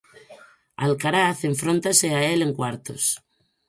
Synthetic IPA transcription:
a̰lkaɾaθeɱfɾont̪aseaeleŋkwaɾt̪o̰s

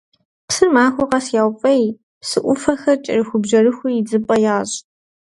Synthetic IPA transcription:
psɨrmaːxʷʊqɐsjaːwpʼɐj | psɨʔʷʊfɐxɐrt͡ʃʼɪ̰rɨxʷʊbʒɐrɨxʷʊjɪd͡zɨpʼɐjaːɕʼ

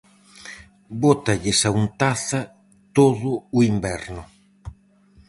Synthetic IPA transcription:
bot̪ɐʎesaunt̪aθɐ | t̪oðʊʊimbɛɾnʊ

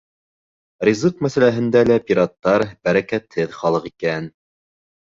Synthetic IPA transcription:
rʲizuqmæsælæɦɘ̆nd̪ælæpʲiɾɑt̪ːɑɾbæɾækæt̪hɘðχɑlˠɤqikæn

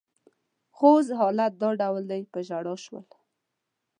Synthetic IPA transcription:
xozɦɑlat̪̚d̪ɑɖawld̪ajpəʒaɽɑʃwə̰l

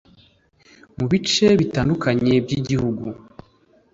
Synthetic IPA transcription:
muβit͡ʃe̞βitaːndukʰaɲe̞bɟiɟihuɡu

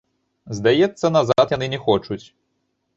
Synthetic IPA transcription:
zd̪ajɛt̪sːɐnazat̪janɨnʲɛxɔt͡ʂut͡sʲ

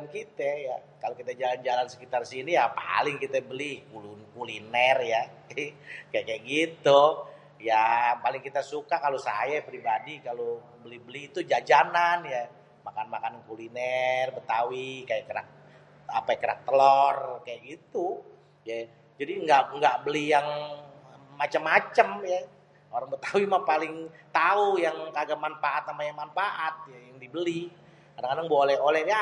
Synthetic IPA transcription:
nkit̪ɛjakalokit̪ɛd͡ʒaland͡ʒalansə̥kit̪arsinijapa̰lɪŋkit̪ɛbəlikulnkulinɛrja | kajaʔkajaʔɡit̪u | japalɪŋkit̪asukakalosa̰japɾibadikalo | bəlihbəlihit̪ud͡ʒad͡ʒananja | makanmakanankulinɛrbət̪awikajaʔkəɾa̰k̚ | apajkəɾa̰k̚t̪əlɔrkajaʔkɡit̪u | ja | d͡ʒadiŋɡaʔŋɡaʔbəlijaŋː | at͡ʃəmːat͡ʃəmja | oɾaŋbət̪awimapalɪŋt̪aujaŋkaɡamanfaʔat̪amajaŋmanfaʔat̪̚jajaŋdibəli | kadaŋkadaŋbolɛholɛha

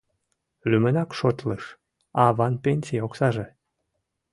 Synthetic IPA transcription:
lʲymə̆nɑkʃot̪ləʃ | ɑβɑnpʲenʲsʲijoksɑʒĕ

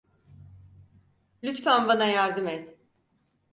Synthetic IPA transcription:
lʲyt̪fænbanajaɾd̪ɯmɛt̪

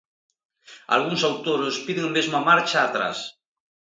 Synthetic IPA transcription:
a̰lɣ̞uŋsawt̪oɾospiðeŋamezmamaɾt͡ʃaːt̪ɾa̰s

